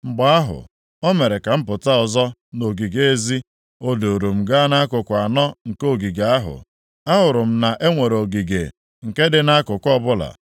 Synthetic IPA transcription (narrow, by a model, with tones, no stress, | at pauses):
ŋ͡m̩˨ɡ͡ba˨˦a˦ɦʊ̰˨ | o˦me˨ɾe˨ka˨m̩˦pʊ˨ta˦ɔ˨zɔ˦no˨ɡi˨ɡe˨e˦zi˦ | o˦do˨ɾu˨m̩˨ɡa˦na˦kʊ˨kʷa˨nɔ˦ŋ̩˨ko˦˨ɡi˨ɡa˨a˦ɦʊ̰˨ | a˦ɦʊ˨ɾʊ˨m̩˦na˨ʔe˦ŋʷe˨ɾo˨ɡi˨ɡḛ˨ | ŋ̩˨ke˦dɪ˨na˦kʊ˨kʷɔ˦bʊ˦la̰˨